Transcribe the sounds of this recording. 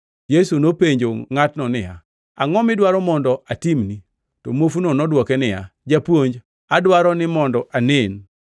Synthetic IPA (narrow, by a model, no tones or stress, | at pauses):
jesunopeɲd͡ʒoŋatnɔnɪja̰ | aŋɔmɪdwaɾɔmɔndɔatimni | tɔmofunonɔdwɔkɛnɪja̰d͡ʒapwoɲd͡ʒ | adwaɾɔnɪmɔndɔʔanen